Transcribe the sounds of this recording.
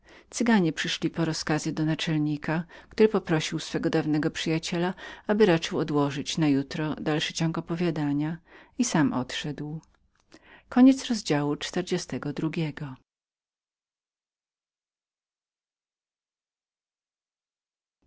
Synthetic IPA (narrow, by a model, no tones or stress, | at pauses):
t̪sɘɡaɲɛpʂɘʂlʲipɔɾɔskazɘd̪ɔnat͡ʂɛlɲikakt̪uɾɘpɔpɾɔɕiwsfɛɡɔd̪avnɛɡɔpʂɘjat͡ɕɛlaabɘɾat͡ʂɘwɔd̪wɔʐɘt͡ɕnajut̪ɾɔd̪alʂɘt͡ɕɔŋkɔpɔvʲjad̪aɲaisamʔɔ̰t̪ʂɛd̪w | kɔɲɛt̪sɾɔzd͡ʑawut͡ʂt̪ɛɾd͡ʑɛst̪ɛɡɔd̪ɾuɡʲɛɡɔ